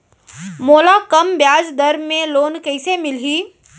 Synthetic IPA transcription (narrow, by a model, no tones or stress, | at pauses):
moːlakɐmbjaːd͡ʒd̪ɐɾmẽloːnkɛɪsemɪlɦiː